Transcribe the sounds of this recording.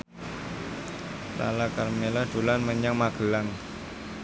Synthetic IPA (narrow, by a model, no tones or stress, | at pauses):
la̰lakarmelad̪̥o̤lanməɲaŋmaɡ̥ə̤laŋ